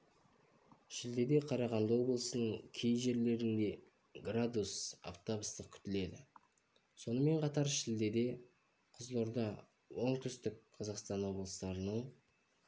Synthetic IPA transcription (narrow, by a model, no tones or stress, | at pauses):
ʃɪld̪e̞d̪e̞qʰɑɾɑʁɑnd̪əwo̞blˠəsənəɴkʲʰe̞jʒe̞ɾle̞ɾɪnd̪e̞ | ɡrad̪usa̰ft̪obəst̪əq̚kʲʰʏ̥t̪ɪle̞d̪ɪ | so̞nəme̞ɴqʰɑt̪ɑɾʃɪld̪e̞d̪e̞ | qʰəzlˠo̞ɾd̪ɑ | wo̞ɴt̪ʰʏst̪ɪk̚qʰɑzɑqst̪ɑnwo̞blˠəst̪ɑɾənəɴ